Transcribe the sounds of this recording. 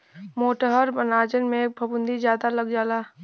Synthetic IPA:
moːʈəɦəɾbənaːd͡ʒənmẽk̚bʱɐbʊ̃nd̪izjaːd̪alɐɡd͡ʒaːlaː

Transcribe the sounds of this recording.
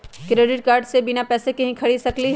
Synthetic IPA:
kɾeːɖɪʈ̚kaːɾɖsebɪnapɛːsekɐɦĩkʰɐɽisɐkliɦ

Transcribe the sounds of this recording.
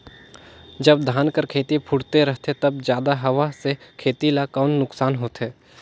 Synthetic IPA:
d͡ʒɐbd̪ʱaːnkəɾkʰeːt̪ipʰʊɽt̪eɾɐɦt̪et̪ɐbzjaːd̪aɦɐʋasekʰeːt̪ilakaːʊnːʊksaːnɦoːt̪ɦɛː

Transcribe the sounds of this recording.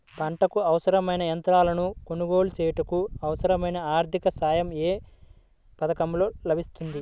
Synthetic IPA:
pɐɳʈɐkuɐʋɐsɐɾɐmɐjnɐɐnt̪ɾaːlɐnuko̞nuɡo̞ːlut͡ʃɛːjɐʈɐkuɐʋɐsɐɾɐmɐjnɐaːɾd̪ʱikɐsaːjɐmeː | pɐd̪ɐkɐmlo̞ːlɐbʱist̪und̪i

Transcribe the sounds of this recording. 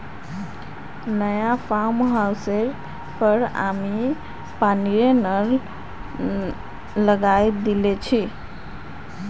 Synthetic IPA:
nəjapʰamɦawseɾ | pəɾa̰mi | paniɾenəɾ | ləɡajd̪ilet͡ʃʰi

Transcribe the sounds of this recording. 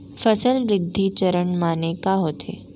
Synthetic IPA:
fəsəlɾɪd̪ʱːit͡ʃəɾəɳmaːnekaɦoːt̪ʰḛ

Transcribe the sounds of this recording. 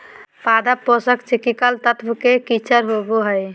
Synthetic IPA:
pad̪apːɔsəkt͡ʃikikalt̪ət̪bkekit͡ʃʰəɾɦoboɦəj

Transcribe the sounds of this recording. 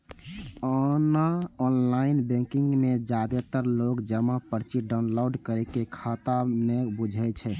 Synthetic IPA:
ɔnaɔnlainbɛ̃kiŋɡmed͡ʒad̪et̪əɾlokd͡ʒəmapəɾt͡ʃiɖaʊnloɖkəɾɛkekʰat̪anebud͡ʒʱɛt͡ʃʰɛ

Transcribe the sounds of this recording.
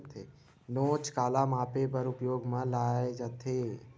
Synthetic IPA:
t̪ʰe | noːt͡ʃkaːlamaːpep̬əɾʊpjoːɡmãlaːed͡ʒət̪ʰeː

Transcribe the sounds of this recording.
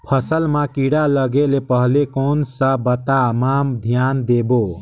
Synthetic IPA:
pʰəsəlmakiɽaləɡelepəɦlekonsə̃bət̪amamd̪ʱjand̪ebo

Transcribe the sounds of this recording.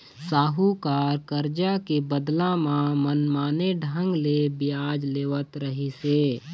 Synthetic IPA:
saːɦukaːɾkəɾd͡ʒakebəd̪lãmãmənmaːneɖʱə̃ŋɡlebɪjaːd͡ʒleːʋət̪ɾəɦiseː

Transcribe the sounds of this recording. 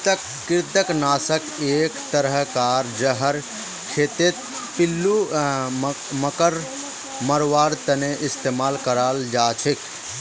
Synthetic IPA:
t̪əkːɪɾt̪əknaːsəkeːkt̪əɾəɦkaːɾd͡ʒəɦəɾ | kʰeːt̪et̪̚ | pɪlːu | məkəɾ | məɾʋaːɾt̪əneʔɪst̪eːmaːlkəɾaːld͡ʒaːt͡ʃʰik

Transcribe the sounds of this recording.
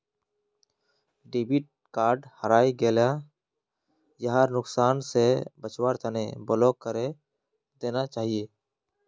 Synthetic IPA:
ɖiːbiːʈ̚kaːɾɖhəɾaːiɡeːlja | jəɦaːɾnʊksaːnsebət͡ʃwaːɾt̪ʰənḛbəloːkːəɾe | d̪eːnat͡ʃaːɦijeː

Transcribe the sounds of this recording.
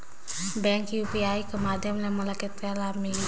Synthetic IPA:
bɛŋkjupiajkəmad̪ʱjɔmlɛmɔlakit̪kɛlami

